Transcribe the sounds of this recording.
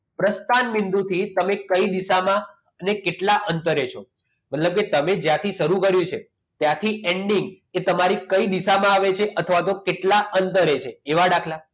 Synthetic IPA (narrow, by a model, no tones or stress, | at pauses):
pɾəst̪anmind̪ut̪ʰit̪əmekəid̪isamã | nekeʈlaʔənt̪əɾet͡ʃʰo | mət̪ləb̚ket̪əmed͡ʒjat̪ʰiʃəɾukəɾjũt͡ʃʰe | t̪jat̪ʰiʔeɳɖiŋɡ | et̪əmaɾikəid̪iʃamãaʋet͡ʃʰeʔət̪ʰəʋat̪okeʈlaʔənt̪əɾet͡ʃʰeːʋaɽakʰla